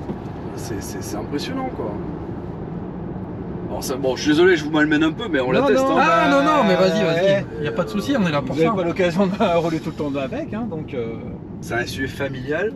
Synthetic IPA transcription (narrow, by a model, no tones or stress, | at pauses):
basɛsɛsɛt̪ɛ̃pχesjɔnɑ̃kwa | ɔ̰ʁsabɔ̃ʃɥid̪ezɔleʒəvumalmɛnɛ̃pømɛɔ̃laɛst̪ɔ̃anɔ̃nɔ̃mɛvazivaziiljapad̪əsusiɔ̃nɛlɛ̃pɔvzavẽpalɔkazjɔ̃d̪ʁulet̪ulət̪ɑ̃d̪avɛkɛ̃d̪ɔ̃kø | sɛɛ̃syʒɛfamiljal